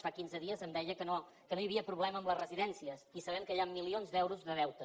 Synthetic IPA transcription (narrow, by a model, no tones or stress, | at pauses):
fakinzəðiəzəmd̪ɛʎəkəno | kənojəβiəpɾuβlɛməːmləzrəziðɛnsiəsisəβɛŋkəʎamːilionzd̪ɛwɾuzðəðɛwt̪ə